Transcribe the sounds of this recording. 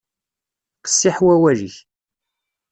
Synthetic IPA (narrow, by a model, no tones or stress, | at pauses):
qə̥sːiħwæwæʒəç